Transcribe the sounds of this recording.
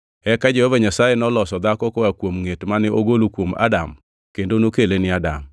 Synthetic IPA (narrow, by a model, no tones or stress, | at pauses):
ɛkad͡ʒehovaɲasajenɔlɔsɔd̪akɔkɔakwomŋetmanɪʔoɡolokwoma̰dam | kendonokelenɪada̰m